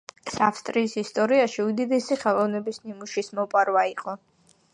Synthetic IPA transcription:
safst̪ʼɾiːsist̪ʼɔɾiaʃiud̪id̪ɛsiχɛlˠɔvnɛbisnimuʃismɔpʼaɾvaiqʼɔ

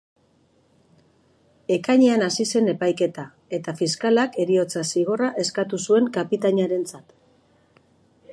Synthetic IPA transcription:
e̞kaɲeanasise̞ne̞pajke̞t̪a | e̞t̪afiskalake̞ɾio̞t͡sasiɣ̞o̞raʔe̞skat̪usue̞ŋkapit̪aɲaɾe̞nt͡sat̪

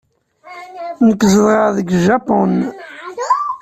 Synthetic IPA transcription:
nəkːzəðʁəɾðəɡʒɑpon

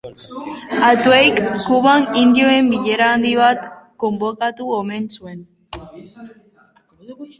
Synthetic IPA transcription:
at̪uejkkuβanind̪io̞e̞mbiʎe̞ɾaːnd̪iβat̪ko̞mbokat̪uome̞nsue̞n

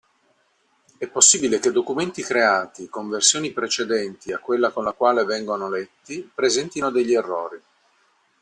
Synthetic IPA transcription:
ɛpːosːiːbileked̪ːokument̪ikɾeaːt̪ikoɱversjoːnipɾet͡ʃed̪ɛnt̪iakːwelːakonlakwaːlevɛŋɡonolɛt̪ːipɾezɛnt̪inod̪eʎːierːɔːɾi

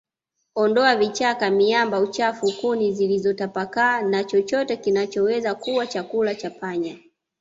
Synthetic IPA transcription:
ɔndɔavit͡ʃakamiambaut͡ʃafukunizilizɔtapakaːnat͡ʃɔt͡ʃɔtɛkinat͡ʃɔwɛzakuwat͡ʃakulat͡ʃapaɲa

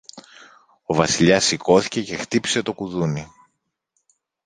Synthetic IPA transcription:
o̞vɐsiʎɐsiko̞θi̥ce̞ce̞xt̪ipi̥se̞t̪o̞kuðuni

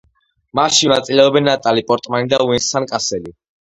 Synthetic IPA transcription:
maʃinat̪sʼilɛɔbɛnːat̪ʼalipʼɔɾt̪ʼmanid̪auɛnsankʼasɛli

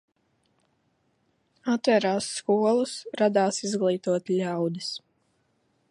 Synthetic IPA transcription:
at̪vɛɾaːsːkuɔlˠusɾad̪aːsizɡlˠiːt̪uɔt̪lʲawd̪is

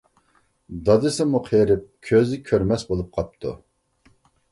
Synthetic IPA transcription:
d̪ɑd̪ɨsɪmuqʰɾɪp̚kʲʰøzɪkʲʰøɾmɛsbolˠup̚qʰɑp̚t̪ʰṵ

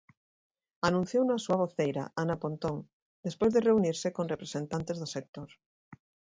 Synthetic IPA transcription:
anũn̟θjownasuɐβ̞oθejɾa̰anapont̪oŋ | d̪espojzðereuniɾsɪkoŋrepɾesent̪ant̪ezðʊsek̚t̪oɾ

